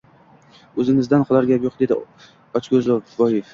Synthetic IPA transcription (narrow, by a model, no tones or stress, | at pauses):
ɵzɪŋɪzd̪anqɒlˠaɾɡʲapjoqd̪e̞d̪ɪ | ɒt͡ʃɡʲozlɒfbɒjef